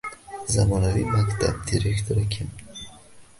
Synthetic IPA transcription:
zamɔnavimakt̪ʰa̰b̚d̪iɾekt̪ʰoɾakʰʲim

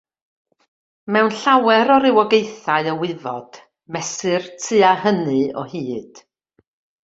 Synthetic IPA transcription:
mɛwnɬawɛɾɔɾɪwɔɡejθaɨəwɪvɔd̥ | mɛsɨrtʰɨahənɨɔ̰hiːd̥

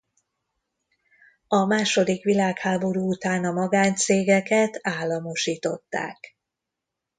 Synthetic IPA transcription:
ɒmaːʃo̞d̪ikʋilaːkhaːbo̞ɾuːut̪aːnɒmɒɡaːnt̪seːɡɛkɛt̪aːlːɒmo̞ʃiːt̪o̞t̪ːa̰ːk

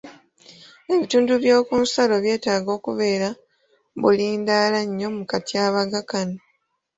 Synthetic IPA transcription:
e̞βituːnduβjo̞ːkuːnsalo̞βje̞ːtaːɡo̞ːkuβe̞ːɾa | βuliːndaːlaɲːo̞mukatiaːβaɡakano

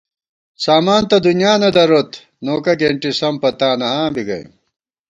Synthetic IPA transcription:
saːmaːnt̪ɐd̪unjaːnɐd̪ɐɾot̪ | noːkɐɡeɳʈisɐmpɐt̪aːnɐãːbiɡɐ̰j̰

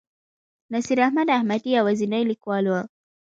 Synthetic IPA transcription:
nasiɾahmadahmatiawazinailikwalwa

